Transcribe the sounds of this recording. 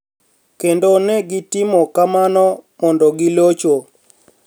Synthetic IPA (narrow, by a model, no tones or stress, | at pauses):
kendonɛɡɪtɪmɔkamanɔmɔndɔɡɪlot͡ʃo